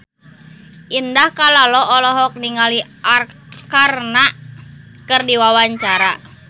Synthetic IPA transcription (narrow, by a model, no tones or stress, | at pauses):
ʔindahkalalɔʔɔlɔɦɔk̚niŋaliʔarkarna | kɨrdiwawaɲt͡ʃaɾa